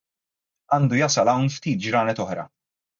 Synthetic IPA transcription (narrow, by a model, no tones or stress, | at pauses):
ɐːnd̪ujɐsɐlɐwnft̪iːt̪̚d͡ʒɾɐːnɛt̪ɔħɾɐ̰